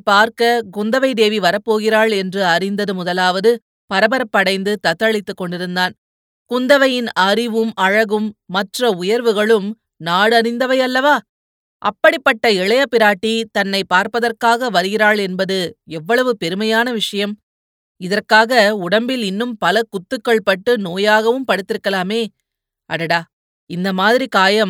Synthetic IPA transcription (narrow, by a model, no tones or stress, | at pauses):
paːɾkɐkʊnd̪ɐʋɐɪd̪eːʋiʋɐɾɐpːoːɣɪɾaːɭɛndrɯɐɾɪnd̪ɐðɯmʊðɐlaːʋɐðɯ | pɐɾɐbɐɾɐpːɐɽɐɪnd̪ɯt̪ɐt̪ːɐɭɪt̪ːɯkːɔɳɖɪɾɯnd̪aːn | kʊnd̪ɐʋɐjɪnɐɾɪʋɯmɐɻɐɣɯmːɐʈrɐʊjɐɾʋɯɣɐɭɯm | naːɽɐɾɪnd̪ɐʋɐjɐlːɐʋaː | ʔɐpːɐɽɪpːɐʈːɐɛɭɐjɐpːɪɾaːʈːit̪ɐnːɐɪpːaːɾpɐðɐrkaːɣɐʋɐɾɯɣɪɾaːɭɛnbɐðɯɛʋːɐɭɐʋɯpɛɾɯmɐjaːnɐʋɪʂɐjɐm | ɪðɐrkaːɣɐʊɽɐmbɪlɪnːɯmpɐlɐkʊt̪ːɯkːɐɭpɐʈːɯnoːjaːɣɐʋɯmpɐɽɯt̪ːɪɾɯkːɐlaːmeː | ʔɐ̰ɽɐɽaː | ɪnd̪ɐmaːðɪɾikaːjɐm